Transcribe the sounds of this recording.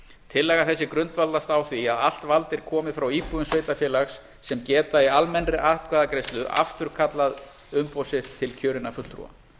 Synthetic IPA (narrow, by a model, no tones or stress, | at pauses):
t̪ʰɪlːɛːɣaθɛsːɪkɾʏnt̪valt̪ast̪awθviaðal̥t̪valt̪ɪɾ̥kʰɔːmɪfɾawiːpuðʏnsveːjt̪afjɛːlaxsː | ɛmcɛːt̪aialmɛnrɪʔahp̚kʰvaːðakɾejst̪lʏʔa̰ft̪ʏɾ̥kʰat̪lað | ʏmpɔːwsɪt̪ʰːɪlcʰœːɾɪnafʏlt̪ʰɾṵːa̰